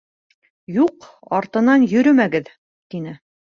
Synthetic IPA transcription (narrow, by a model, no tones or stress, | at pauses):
juq | ɑɾt̪ɤ̆nɑnjɵ̆ɾɵmæɡɘð | t̪inɘ